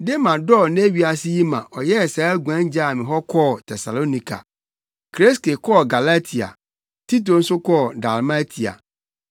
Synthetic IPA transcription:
de˦mã˨dɔ˦˨ne˦ɥi˦a˨sɪ˦ji˦mã˨ʔɔ˨jɛ˦˨saː˨˦ɡʷã˦n˦d͡ʑa˦˨mɪ̃˨ɦɔ˦kʰɔː˦˨tʰɛ˨sa˨lo˦nĩ˦kʰa̰˨ | kʰɾe˦ske˨kʰɔ˦˨ɡa˨la˦tʰi˨a̰˨ | ti˦t̬o˨n̩˦sʊ˦kʰɔ˦˨da˨lma˦tʰi˨a̰˨

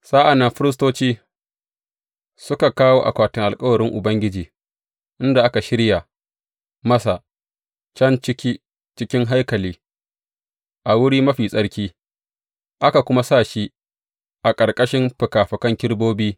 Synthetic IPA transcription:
sʼaː˦ʔa˨nːɐ˦mɸɪ˦ɾɪ˦stoː˦t͡ʃiː˦ | sʊ˦ka˨kaː˦woː˦ʔa̰˨kʷaː˨tɪ˨ŋʔa˨lkʼɐ˦wɐ˨ɾɪ˦ŋʔʊ˨bɐ˦ŋɡʲɪ˦d͡ʒiː˨ | ʔɪ˦nda˨ʔa˦ka˨ʃɪ˦ɽja˨ | mɐ˦sa˨ | t͡ʃɐ˦nt͡ʃɪ˦kʲiː˦ | t͡ʃɪ˦kʲɪ˦ŋɦa˦jkɐ˨liː˦ | ʔa˨wʊ˦ɽiː˦mɐ˦ɸiː˨sʼɐ˦ɽkʲiː˦ | ʔa˦ka˨kʷʊ˦ma˦sa˦˨ʃi˦ | ʔa˨kʼɐ˨ɽkʼɐ˦ʃɪ˦mɸɪ˨kaː˨ɸɐ˨kɐ˦ŋkʲɪ˦ɽboː˦biː˦

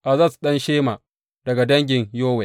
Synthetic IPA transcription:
ʔa˨zaː˦˨su̥˨ɗɐ˦nʃeː˦maː˨ | d̥ɐ˨ɡa˨dɐ˦ŋɡʲɪ˨ɲjoː˦wɛ˨

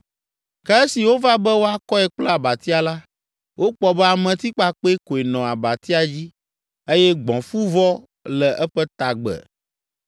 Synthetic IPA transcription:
kɛ˦e˦si˨wo˦va˦bɛ˦wo˦a˦kɔ˦ɛ˨k͡plɛ˦a˨ba˨t̪i˦a˨la˦ | wʔo˦k͡pɔ˦bɛ˦a˨mɛ̃˨t̪i˦k͡pa˦k͡pe˦e˦ko˨e˨nɔ̃˨a˨ba˨t̪i˦a˨d͡ʑi˦ | e˦jɛ˦ɡ͡bɔ̃˨fu˦vɔ˦ | lɛ˨ʔɛ˦ɸɛ˦t̪a˨ɡ͡bɛ̰˨

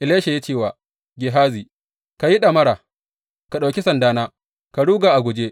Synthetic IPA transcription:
ʔɪ˨leː˦ʃe˨ja˦t͡ʃeː˦˨waː˨ | ɡʲɪ˨ɦaː˦ziː˨ | ka˨ji˦ɗɐ˨mɐ˦ɽaː˨ | ka˨ɗa˨kʲi˦sɐ˨ndaː˦naː˦ | ka˨ɽuː˦ɡaː˨ʔa˨ɡʷʊ˨d͡ʒe˦

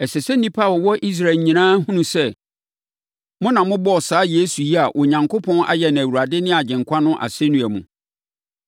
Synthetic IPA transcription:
ɛ˨sɛ˨sɛ˦nĩ˦pʰa˦˨ɔ˨wɔ˦ʔi˦s̬ɾa˨ɲĩ˨nãː˦ɦũ˦nũ˨sɛ˦˨ | mʊ̃˦nã˨mʊ̃˦bɔ˦ɔ˨saː˨˦je˦su˨ji˦a˨ʔɔ˨ɲã˨ŋkʰo˦pʰɔ̃˦na̰˦jɛ˨nã˨æ˨wu˨ɾa˨dɪ˦nɪ̃˦a˨d͡ʑɪ̃˨ŋkʰʷa˦nʊ̃˦ʔa̰˨se˦nũ˨æ˨mṵ̃˨

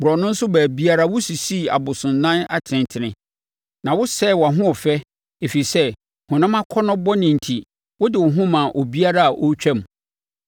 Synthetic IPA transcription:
bʊ˨ɾɔ˨nʊ̃˦n̩˦sʊ˦bæː˨bi˦a˦ɾa˦wʊ˦si˨si˦˨a̰˨bʊ˨sʊ̃˨nː˨ã˦na̰˦tʰɪ̃˨ntʰɪ˨nɪ̃˨ | nã˨wʊ˦sɛ˦˨wa˨ɦʊ̃˦ɔ˨fɛ˦ | e˨fi˨sɛ˦ | hʊ̃˨nã˦mã˦kʰɔ˦nʊ̃˦bɔ˦nɪ̃˨n̩˨tʰi˨ | wʊ˦dɪ˨wʊ˨ɦʊ̃˦mã˨ʔo˨bi˦a˦ɾa˦a˨ʔo˦t͡ɕᶣɛ̃˦˨m˨

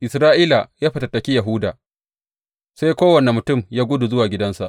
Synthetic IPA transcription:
ʔɪ˨sɾaː˦ʔiː˦la˨jaː˦ɸɐ˨tɐ˨tːɐ˨kʲi˦jɐ˨ɦʊː˦daː˨ | sa˦jkʷoː˦wɐ˨nɛ˨mʊ˨tʊ˦˨mjaː˦ɡʷʊ˦du˨zʊ˦waː˨ɡʲɪ˦dɐ˦nsa̰˨ʔ

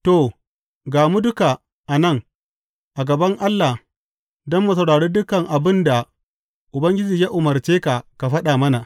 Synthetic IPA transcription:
to˨ | ɡaː˨mu˦dʊ˦ka˨ | ʔa˨nɐ˦˨ŋ | ʔa˨ɡɐ˨bɐ˦ŋʔa˦lːa˨ | dɔ˦mːu˨s̬ɐ˨wɽaː˨ɽeː˦dʊ˦kɐ˨ŋʔa˨bɪ˦nda˨ | ʔʊ˨bɐ˦ŋɡʲɪ˦d͡ʒiː˨jaː˦ʔʊ˨mɐ˨rt͡ʃeː˦ka˨ka˨ɸɐ˦ɗa˨mɐ˦na˨ʔ

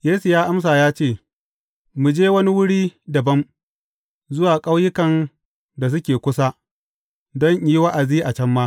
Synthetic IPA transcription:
jeː˦su˨jaː˦ʔa˦ms̬aː˨jaː˦t͡ʃeː˦˨ | mu˨d͡ʒeː˦wɐ˦ni˦wʊ˦ɽiː˦dɐ˨bɐ˦m | zʊ˦waː˨kʼa˦wjɪ˦kɐ˨n | da˨s̬ʊ˦kʲeː˨kʷʊ˦sa˦ | dɔ˦ɲʔiː˦wa˦ʔa˨ziː˦ʔa˨t͡ʃɐ˦mːaː˦

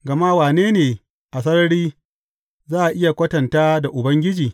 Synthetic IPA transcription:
ɡɐ˨ma˦waː˨neː˦neː˨ | ʔa˨s̬ɐ˦ɾɐ˦ɽiː˦ | zaː˦ʔa˨ʔɪ˦ja˨kʷɐ˦tɐ˨ntaː˦da˨ʔʊ˨bɐ˦ŋɡʲɪ˦d͡ʒiː˨

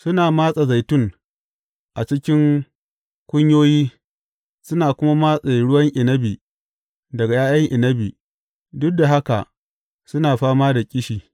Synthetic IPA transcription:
sʊ˦naː˨maː˦sʼa˨za˨jtʊ˦ŋ | ʔa˨t͡ʃɪ˦kʲɪ˦ŋ | kʷʊ˦ɲjoː˦jiː˦ | sʊ˦naː˨kʷʊ˦ma˦maː˦sʼe˨ɽʊ˦wɐ˦ŋʔɪ˨nɐ˦bi˨ | dɐ˨ɡa˨jaː˦jɐ˦ŋʔɪ˨nɐ˦bi˨ | dʊ˦da˨ɦa˦ka̰˨ʔ | sʊ˦naː˨ɸaː˦maː˦da˨kʲʼɪ˦ʃiː˨

